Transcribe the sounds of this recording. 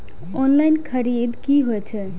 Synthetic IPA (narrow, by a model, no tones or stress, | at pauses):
ɔnlajnkʰəɾid̪kiɦojt͡ʃʰə